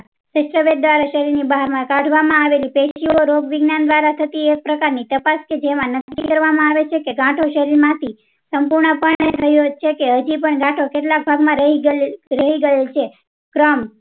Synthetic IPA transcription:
səʃɾəʋet̪̚d̪ʋaɾaʃəɾiɾnibaɦaɾmãkãʈʰʋamãaʋelipeʃʃiooɾoɡʋɪɡnand̪ʋaɾat̪ʰət̪iek̚pɾəkaɾnit̪əpasked͡ʒemãnəkːikəɾʋamãaʋet͡ʃʰekeɡãʈʰoʃəɾiɾmãt̪ʰi | səmpuɾɳəpəɳet̪ʰəɦjut͡ʃʰekeəd͡ʒipəɳɡãʈʰokeʈlak̚bʱaɡmãɾəiɾəɦiɡəelt͡ʃʰe | kɾəm

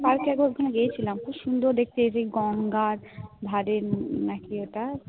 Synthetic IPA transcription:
baɾkeɛɡoɾbʱunaɡejet͡ɕʰilamkuʃund̪oɾd̪ek̚t̪eeseɡɔŋɡaɾ | b̪ʱaɾenakioʈa

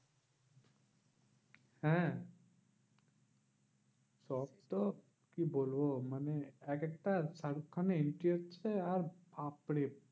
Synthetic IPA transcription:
hɛ̃ | sɔbt̪ɔ | kibolboməneekek̚ʈasaɽukʰːaneɪɳʈiət͡ʃʰeaɾpapɽe

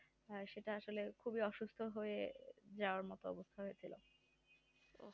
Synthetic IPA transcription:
ʃeʈaaʃolekʰubiɔʃust̪ʰoɦoed͡ʑaoaɾmɔt̪oɔ̰bost̪ʰaɦojet͡ɕʰilo̰

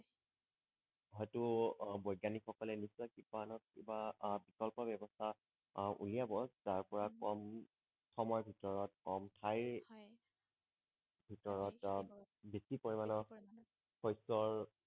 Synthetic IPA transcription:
ɦɔjtʊbɔjɡanixɔkɔlɛnisɔkipanɔt̚ḭbabikɔlpɔbɛbɔstʰa | ʔṵlijabɔszaɹpɔɹakɔm | tʰɔmɔjbʱitɔɹɔtkɔmtʰaj | bʱitɔɹɔt | besipoɹimanɔ | xɔjsɔɹ

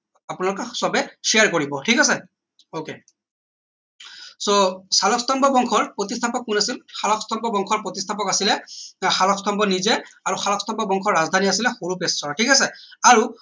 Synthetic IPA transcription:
apunalɔkɛsɔbɛʃiaɹkoɹibɔtʰikasɛ | oke | sosalɔkstɔmbɔbɔŋkʰɔɹpɹotistʰapɔkːunasilxalɔkstʰɔmpɔbɔŋkʰɔɹpɹotistʰapɔkasilɛxalɔkstʰɔmpɔnizɛaɹuxalɔkstɔmpbɔbɔŋkʰɔɹɹazdʱaniasilɛxoɹupessɔɔtʰikasɛaɹu

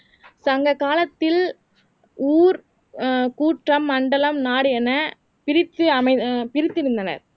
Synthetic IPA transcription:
sɐŋɡɐkaːlɐt̪ːɪl | uːɾ | kuːʈrɐmːɐɳɖɐlɐmnaːɽɯɛnɐ | pɪɾɪt̪ːɯɐmɐɪpɪɾɪt̪ːɪɾɯnd̪ɐnɐ̰ɾ

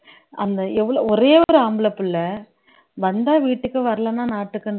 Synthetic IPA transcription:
ʔɐnd̪ɐɛʋːɐɭoɔɾeːɔɔɾɯaːmbɯɭɐpːɯlːɐ | ʋɐnd̪aːʋiːʈːɯkːɯʋɐɾɐlɐnãːnaːʈːɯkːɐɳ

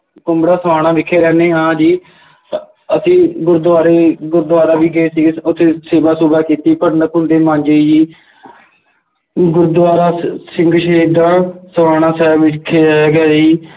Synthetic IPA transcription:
kʊmbɽaːsəʋaːɽ̃aːʋɪkʰːeːɾɛːneːɦãːd͡ʒiː | əsĩːɡʊɾd̪ʋaːɾeːɡʊɾd̪ʋaːɾaːʋiːɡəeːsiːɡʊt̪ʰːeːseːʋaːsuːbaːkiːt̪iːpəɾnəkʊnd̪eːmãːnd͡ʒeːd͡ʒiː | ɡʊɾd̪ʋaːɾaːsɪŋɡʃeːd̪ãːsəʋaːɽ̃aːsɛːʋɪt͡ʃkʰːeːɡɛːsiː

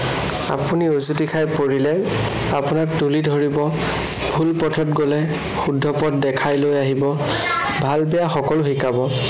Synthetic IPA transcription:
a̰puniozutikʰajpoɹilɛ | apunaktulidʱoɹibɔ | bʱulpɔtʰɔtɡolɛ | xudʱːɔpɔtdɛkʰajlojaɦibɔ | bʱalbɛjaxɔkɔlʊxikabɔ

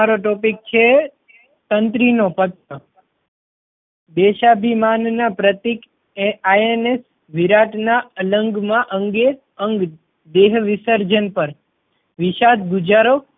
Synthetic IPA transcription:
aɾoʈopik̚t͡ʃʰe | t̪ənt̪ɾinopət̪ːə | d̪eʃabʱimannapɾət̪ik | aenes | ʋiɾaʈnaələŋɡmãʔəŋɡe | əŋɡ | d̪eɦʋisəɾd͡ʒənpəɾ | ʋiʃad̪ɡud͡ʒaɾo

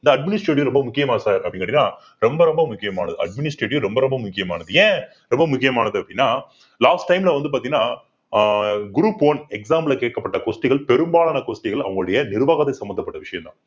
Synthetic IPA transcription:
ɪnd̪ɐɐɖmɪnɪsʈɾeːʈ̬ɪʋɾɔmbɐmʊkːɪjɐmaːɐsaːɾkɐpːɐɽɪ̃iŋɐʈːɪinːaː | ɾɔmbɐɾɔmbɐmʊkːɪjɐma̰ːnɐðɯɐ̰ɖ̚mɪnɪsʈɾeːʈ̬ːɪʋɾɔmbɐɾɔmbɐmʊkːɪjɐmaːnɐðɯjẽː | ɾɔmbɐmʊkːɪjɐmaːnɐðɯɐpːɐɽɪnːaː | laːsʈːɐɪmlɐʋɐnd̪ɯpaːɾt̪iŋɡɐnːaː | ɡʊɾuːpoːnɛksaːmlɐkeːʈ̚kɐpːɐʈːɐkoːsʈɪɣɐɭpɛɾɯmbaːɭaːnɐkoːsʈɪɣɐɭɐ̰ʋɐŋɡɐɭʊɽɐjɐnɪɾɯʋaːɣaːðɐɪsɐmbɐnd̪ɐpːɐʈːɐʋɪʂɐjɐmnt̪ã̰ː

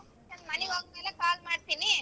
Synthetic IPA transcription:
nɐnmɐniɦoːɡɐmeːlekaːl̚maːɽt̪iːni

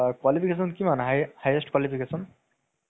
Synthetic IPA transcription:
kwalipʰikesɔnkimanɦajhajesʈkwalipʰikesɔn

